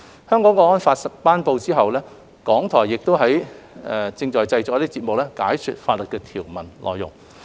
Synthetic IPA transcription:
hœː˥ŋkɔː˨˥ŋkɔː˧˥ŋɔː˥nfaː˧t̚sɐ˨paː˥npo˧wt͡siː˥ɦɐ˨˩wlɛː˥ | kɔː˨˥ŋt̪ʰɔː˨˩jːɪ˨k̚t̪o˥wɦɐ˨˥jɛ˨˧t͡sɪ˧ŋt͡ʃɔː˨jt͡sɐ˧jt͡sɔː˨˥t̪iː˥t͡siː˧t̚mʊ˨k̚lɛː˥kaː˨˥jkʰy˨t̚faː˧t̚lɵ˨t̚kɛː˧t̪ʰiː˨˩wmɐ˨˩nlʔɔ̰ː˨jːʊ̰˨˩ŋ

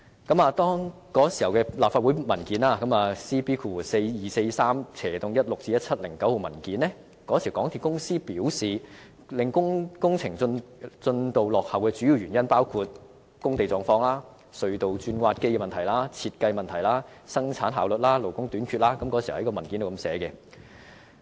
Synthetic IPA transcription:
kɐ˨˥maː˨˧t̪ɔː˥ŋ | kɔː˨˥si˨˩hɐ˨˩wkɛː˧laː˨p̚faː˧t̚wu˨˥mɐ˨˩nkiː˨˥naː˧kɐ˨˥maː˨˧siː˥piː˥kʰuː˧˩˨se˧jjiː˨˩se˧jsaː˥mt͡sʰɛː˨˩t̪ʊ˨ŋjɐ˥t̚lʊ˨k̚t͡siː˧jɐ˥t̚t͡sʰɐ˥t̚lɪ˨˩ŋkɐ˨˥who˨˧wmɐ˨˩nkiː˨˥nlɛ˥ | kɔː˨˥si˨˩˨kɔː˨˥ŋt̪ʰi˨kʊ˥ŋsiː˥piː˨˥wsiː˨ | lɪ˨ŋkʊ˥ŋkʊ˥ŋt͡sʰɪ˨˩ŋ˧nt͡sɵ˧nt̪o˨˧wlɔː˨k̚hɐ˨wkɛː˧t͡ʃyː˨˥ji˨˧wɥyː˨˩njɐ˥npaː˥wkʰuː˧t̚ | kʊ˥ŋt̪e˨jt͡sɔː˨˧ŋfɔː˧ŋlaː˥ | sɵ˧ɥt̪o˨wt͡ʃyː˧nkʷwaː˧t̚ke˥jkɛː˧mɐ˨nt̪ʰɐ˨˩jlaː˥t͡sʰiː˧t̚kɐ˧jmɐ˨ntʰɐ˨˩jlaː˥ | sɐ˥ŋt͡sʰaː˨˥nɦaː˨˧wlɵ˨t̚laː˥lo˨˩wkʊ˥ŋt̪yː˨˥nkʰyː˨˧t̚laː˥kɐ˨˦mkɔ˧˥si˨˩˨kɔː˧mɐ˨˩nki˨˥nt̪o˨˧kɐ˧msɛː˨˥kɛ˧

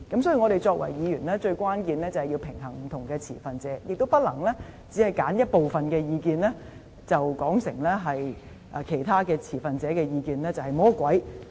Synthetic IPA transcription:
kɐ˨˥msɔː˨˥ji˨˩ŋɔ˨˧ɾe˨jt͡ʃɔː˧k̚wɐ̰˨˩jjiː˨˧ɥyː˨˩nlɛː˥t͡ʃɵ˧ɥkʷwaː˥nkiː˨˧nlɛː˥t͡sɐ˨hɐ˨jiː˧wpʰɪ˨˩ŋɦɐ˨˩ŋm̩˨˩t̪ʰʊ˨˩ŋkɛː˧t͡sʰḭː˨˩fɐ˨nt͡sɛː˨˦˥jʔɪ˨k̚t̪o˥wpɐ˥t̚lɐ˨˩ŋlɛː˥t͡siː˨˥hɐ˨jkaː˨˥njɐ˥t̚po˨wfɐ˨nkɛː˧jiː˧kiː˧nlɛː˥ | t͡sɐ˨wkɔː˨˥ŋsɪ˨˩ŋlɛː˥ɦɐ˨j | ʔɛ˨˩kʰe˨˩jt̪ʰaː˥kɛː˧t͡sʰiː˨˩fɐ˨nt͡sɛː˨˥kɛː˧jiː˧kiː˨nlɛː˥t͡sɐ˨whɐ˨jmɔː˨˥kwɐ˨˥j

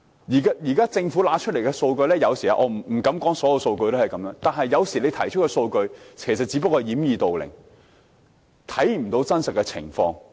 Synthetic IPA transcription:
jiː˨˩ka˥jiː˨˩kaː˥t͡sɪ˧ŋfu˨˥laː˨˥t͡ʃʰɵ˥t̚le˨˩jkɛ˧so˧wkɵ˧ɥlɛː˥jɐ˨˧wsiː˨˩a̰˧˥ʔɔː˨˧m̩˨˩m̩˨˩kɐ˨˥mkɔː˨˥ŋsɔ˨˥jɐ˧wso˧wkɵ˧ɥt̪o˥hɐ˨˩jkɐ˨˥mjœː˧˥ŋt̪aː˨nɦɐ˨jːɐ˨˧wsiː˨˩le˨˧jt̪ʰɐ˨˩jt͡ʃʰɵ˥t̚kːɔ˧so˧wkɵ˧ɥkʰe˨˩js̬ɐ˨t̚t͡siː˨˥pɐ˥k̚ːhɐ˨jiː˨˥mjiː˨˧t̪o˨wlɪ̰˨˩ŋ | t̪ʰɐ˨˥jm̩˨˩t̪o˨˧˥wt͡sɐ˥nsɐ˨t̚kːɛ˧t͡sʰɪ̰˨˩ŋfɔ̰ː˧ŋ

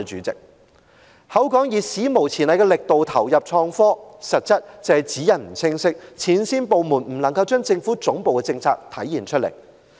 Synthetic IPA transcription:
t͡ʃyː˨˥t͡sɪ̰˨k̚ | hɐ˨˥wkɔː˨˥ŋjiː˨˩siː˨˥mo˨˩wt͡sʰiː˨˩nɐ˨jkɛ˧lɪ˨k̚t̪o˨wt̪ʰɐ˨˩wjɐ˨p̚t͡ʃʰɔː˧ŋfɔː˥sɐ˨t̚t͡sɐ˥t̚t͡sɛː˨jt͡siː˨˥jɐ˨nm̩˨˩t͡sʰɪ˥ŋsɪ˥k̚t͡sʰiː˨˥nsiː˥npo˨wmuː˨˩nm̩˨˩lɐ˨˩ŋkɐ˧wt͡ʃœː˥ŋt͡sɪ˧ŋfu˨˥t͡sʊ˨˥ŋpo˨wkɛ˧t͡sɪ˧ŋt͡sʰaː˧k̚t̪ʰɐ˨˥jːiː˨˩nt͡ʃʰt̚lḛ˨˩j

